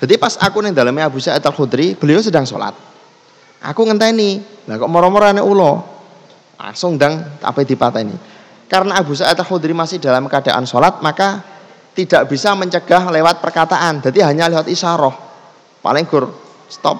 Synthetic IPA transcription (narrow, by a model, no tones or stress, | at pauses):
d̪̥a̤d̪ipasa̰kunɪŋd̪alameabṳsaɛt̪əlxud̪ɾib̥əliosədaŋso̰la̰t̪̚ | ʔa̰kuŋənt̪anib̥lakɔʔmɔɾɔmɔɾanɛʔulɔ | la̰sʊŋd̪aŋt̪a̰pəd̪̥i̤pat̪anḭ | kaɾənaːbṳs̬aɛt̪əlhud̪ɾimasɪhda̤lamkad̥a̤ʔa̰nsolat̪̚maka | t̪id̥a̤ʔb̥isaməɲt͡ʃəɡ̥a̤hlewat̪̚pərkat̪aʔand̪̥a̤t̪iɦaɲalewat̪isaɾɔh | pa̰lɪŋɡ̥ʊr | st̪ɔ̰p̚